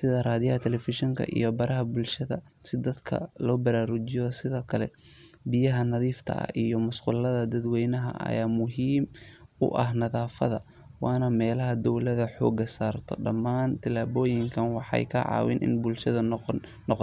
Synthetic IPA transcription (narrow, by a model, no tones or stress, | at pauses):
sɪðɐraːðɪjɐɦɐt̪ʰɛlɛfɪʃɪŋkʰɐ̰ʔḭjɔbɐɾɐɦɐbʊlʃɐðɐ̰ | sɪd̪ɐd̪kʰɐ̰lɔːbɐɾaːɾʊt͡ʃɪjɔsɪðɔːkʰɐlɛ̰ | bɪjɐɦɐnɐðiːft̪ʰɐ̰ɐ̰ijɔmʊsqʊlːɐðɐd̪ɐd̪wɛjnɐɦɐ̰ʔɐ̰jaːmʊɦiːmʊ̰ʔɐ̰hɦnɐðaːfɐðɐ | wɑːnɐmɛːlɐɦɐd̪ɔwlɐðɐħɔ̰ːɡɐsaːrt̪ʰɔ̰ɖɐmaːnt̪ʰɪlaːβɔːjɪŋkʰɐnwɑħɑ̰jkʰɐʕɑ̰ːwɪ̰nʔɪ̰nbʊlʃɐðɐː | ɔq